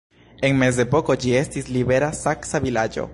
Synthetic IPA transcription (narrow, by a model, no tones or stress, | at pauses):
e̞ŋme̞z̬de̞po̞ko̞d͡ʒie̞stisliβe̞ɾasaksavilad͡ʒo̞̰